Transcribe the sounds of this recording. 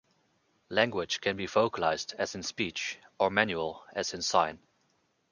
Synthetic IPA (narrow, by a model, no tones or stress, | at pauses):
læ̃ŋɡwɪ̥ʒ̥kʰɨ̃nbifoʊkəlaɪzdɨzɨ̃nspit͡ʃə˞mæ̃njuəlˠɨzɨ̃nsãɪ̃n